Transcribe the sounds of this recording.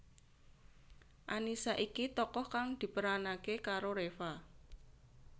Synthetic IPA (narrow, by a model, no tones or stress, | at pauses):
ʔanisaʔikit̪ɔkɔhkaŋd̪̥i̤pəɾanakekaɾoɾefa